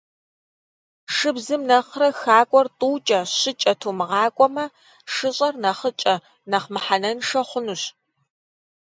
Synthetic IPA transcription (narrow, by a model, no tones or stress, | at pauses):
ʂɨbzɨmnɐχrɐxaːkʷʼɔrtʼuːt͡ʃʼɐɕɪt͡ʃʼɐtʰuːmɨʁɑːkʷʼɔmɐ | ʂɨɕʼɐrnɐχət͡ʃʼɐ | nɐχmɨħanɐnʂɐχʷʊnuɕ